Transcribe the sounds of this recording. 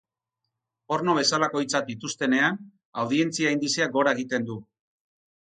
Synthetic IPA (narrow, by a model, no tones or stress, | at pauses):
o̞ɾno̞β̞e̞salako̞jt͡sat̪̚d̪it̪ust̪e̞ne̞an | awðie̞nt͡siaːjnd̪iseaɡo̞ɾaeɣ̞it̪e̞nd̪u